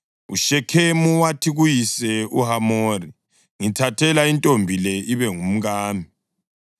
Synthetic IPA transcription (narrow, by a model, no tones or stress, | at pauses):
ṵʃɛkʰemuwatʰiɣujisɛuɦamori | ŋitʰatʰɛlaintʼombʱilɛʔiβɛŋum̩ɣaːmi